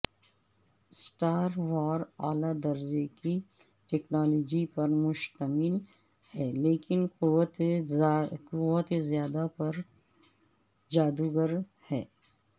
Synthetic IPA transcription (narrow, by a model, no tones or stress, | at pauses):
sʈaːɾwaːɾaːlad̪ɐɾd͡ʒeki | ʈɛːknaːlɔːd͡ʒipɐɾmʊʃt̪əmɪl | hɛːleːkɪnquwət̪ | ʊwət̪ezjaːd̪apɐɾ | d͡ʒaːd̪uɡəɾhɛː